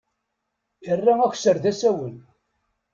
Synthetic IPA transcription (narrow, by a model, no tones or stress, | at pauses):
jərːææç̥ʷsəɾðæsæwən